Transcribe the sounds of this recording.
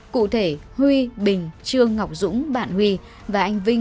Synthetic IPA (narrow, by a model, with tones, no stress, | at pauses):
kṵ˧˨t̪ʰe˧˩ | hwi˧ɓï˨˩ŋ̟t͡ɕɨ˧əŋːa˨˩wk͡p̚zʊ̰˧˥ŋ͡mɓa̰ː˧˨nhwi˧ | vaː˨˩ʔa˧jŋ̟vï˧ŋ